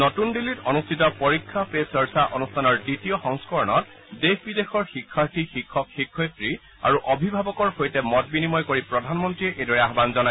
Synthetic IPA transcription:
nɔtundilːitɔnustʰitɔpoɹikʰːapesɔɹsaʔɔnustʰanɔɹditiɔxɔŋskɔɹɔnɔt̚ | dexbidexɔɹxikʰːaɹtʰixikʰːɔkxikʰːɔjtɹi | a̰ɹuʔɔbʱibʱabɔkɔɹxojtɛmɔt̚binimɔjkoɹipɹɔdʱanmɔntɹiɛʔedɔɹɛaɦbanzɔna

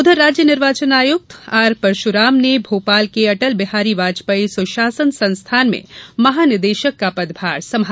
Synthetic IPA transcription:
ʊd̪ʱəɾːad͡ʒjəniɾʋaːt͡ʃənaːjuk̚t̪aɾpəɾʃuɾamnebʱoːpaːlkeɐʈəlbiɦaɾiʋad͡ʒpəjsuʃasənsə̃nst̪ʰanmḛ̃məɦanɪɾd̪eʃəkːapəd̪bʱaɾsəma

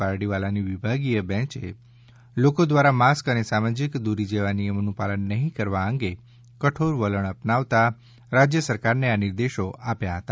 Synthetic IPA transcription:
aɾɽiʋalaniʋibʱaɡijəbɛ̃t͡ʃḛ | lokod̪ʋaɾamaskənesamad͡ʒɪkd̪uɾid͡ʒeʋanijəmnũpalənːəɦĩkəɾʋaə̃ŋɡe | kəʈʰoɾʋələɳəpnaʋt̪a | ɾad͡ʒjəsəɾkaɾneanɪɾd̪eʃoʔapjaɦət̪a

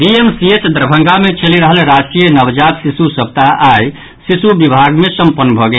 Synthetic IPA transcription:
ɖiemsiet͡ʃd̪ɾbʱə̃ŋɡamet͡ʃʰeliɾəɦəlɾasʈijənəbd͡ʒat̪sisusəb̚t̪aʔaj | sisubibʱaɡmesəmpənːbʱɔɡe

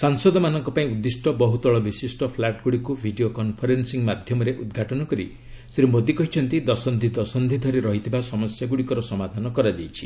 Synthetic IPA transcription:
saŋsɔd̪ɔmanɔŋkɔpaĩud̪ːisʈɔbɔɦut̪ɔɭɔbisisʈɔpʰlaʈɡuɽikubʱiɖiokɔnpʰɔɾensiŋmad̪ʱjɔmɔɾeʔud̪ɡʱaʈɔnɔkɔɾḭ | seɾumod̪ikɔɦit͡ʃʰɔnt̪id̪ɔsɔnd̪ʱid̪ɔsɔnd̪ʱid̪ʱɔɾiɾɔɦit̪ʰibasɔmɔsjaɡuɽikɔɾɔsɔmad̪ʱanɔkɔɾad͡ʒajt͡ʃʰi̥

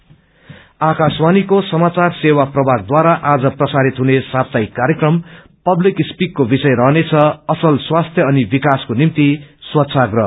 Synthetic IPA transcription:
akaswanikosʌmat͡sarsewaprʌbʱaɡ̚d̪waɾaʔad͡zʌprʌsaɾit̪ɦunesab̚t̪ajkaɾjekrʌm | pʌblikspikːobisʌjɾʌɦnet͡sʰʌʌsʌlswast̪ʰjʌʌnibikaskonimt̪iswʌt̪ːsʰaɡrʌ

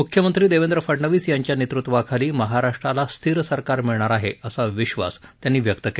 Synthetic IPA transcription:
mukʰjəmənt̪ɾiːd̪eʋend̪ɾəfəɽɳəʋiːsjaɲt͡ɕjanet̪ɾut̪ːʋakʰaliːməɦaɾaʂʈɾalast̪ʰiɾsəɾkaɾmiɭɳaɾaɦeəsaʋiɕʋa̰st̪janːiːʋjəkt̪əke

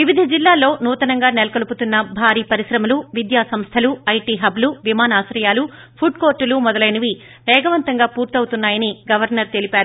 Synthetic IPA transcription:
ʋiʋid̪ʱɐd͡ʒilːaːlːo̞ːnuːt̪ɐnɐŋɡaːnelɐkɐluput̪unːɐbʱaːɾiːpɐɾiʃɾɐmɐluʋid̪jaːsɐmst̪ʰɐluɐjʈiːɦɐbluʋimaːnaːsɾɐjaːlu | pʰuɖkoːɾʈːulumɔd̪ɐlɐjniʋi | ʋɛːɡɐʋɐnt̪ɐŋɡaːpuːɾt̪iɐwut̪unːaːjɐniɡɐʋɐɾnɐɾt̪e̞lipaːɾu

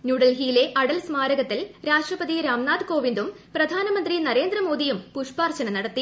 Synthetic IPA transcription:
njuːɽɐlɦiːleʔɐɽɐlsmaːɾɐɣɐt̪ːilɾaːʂʈrɐpɐd̪iɾaːmnaːd̪koːʋind̪um | prɐd̪ʱaːnɐmɐnd̪rinɐɾe̞ːnd̪rɐmo̞ːd̪ijumpuʂpaːrt͡ɕɐnɐnɐɽɐt̪ːi

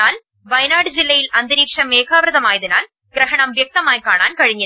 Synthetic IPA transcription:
aːl | ʋɐjɐnaːɽɯd͡ʒɪlːɐjɪlɐnd̪ɪɾiːkʂɐmeːkʰaːʋɾɐðɐmaːjɐðɪna̰ːl | ɡ̥ɾɐɦɐɳɐmʋjɐk̚t̪ɐmaːjkaːɳa̰ːnkɐɻɪɲːɪ

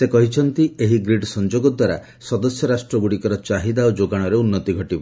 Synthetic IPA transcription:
sekɔɦit͡ʃʰɔnt̪ieɦiɡɾiɖsɔnd͡ʒoɡɔd̪waɾa̰ | sɔd̪ɔsjɔɾasʈɾɔbuɽikɔɾɔt͡ʃaɦid̪aod͡ʒoɡaɽ̃ɔɾeunːɔt̪iɡʱɔʈibɔ

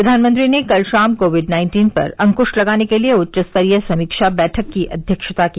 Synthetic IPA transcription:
ɾɐd̪ʱaːnmə̃nt̪ɾinekɐlʃaːmkoːʋɪɖnãːɪ̃nʈiːnpɐ̰ɾɐ̃ŋkʊʃʈlɐɡaːnekelieʊtːt͡ʃəst̪əɾijəsɐmiːkʃabɛːʈʰəkːiʔɐ̰d̪ʱjəkʃət̪aki

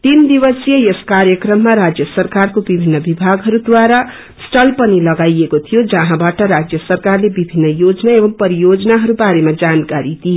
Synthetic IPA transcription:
t̪ind̪ibʌsijʌjeskaɾjʌkrʌmːaɾad͡zjʌsʌrkarkobibʱinːʌbibʱaɡɦʌɾud̪waɾa | sʈʌlpʌnilʌɡajekot̪ʰijod͡zʌɦãbaʈʌɾad͡zjʌsʌrkarlebibʱinːʌjod͡znaebʌmpʌɾijod͡zʌnaɦʌɾubaɾemad͡zankaɾid̪ie

